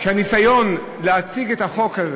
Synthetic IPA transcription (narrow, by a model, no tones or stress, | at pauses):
ʃehanisajo̞n | leat͡siɡethaχo̞khaz